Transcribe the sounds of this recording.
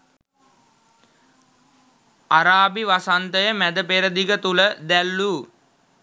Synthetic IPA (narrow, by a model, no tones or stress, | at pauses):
aɾaːbiʋasant̪əjəmæd̪əpeɾəd̪iɡət̪uləd̪ælːuː